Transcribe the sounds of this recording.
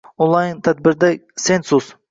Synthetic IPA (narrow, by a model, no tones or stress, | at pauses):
õnlˠɑjnt̪ʰæd̪̚bɪɾd̪ɛsensus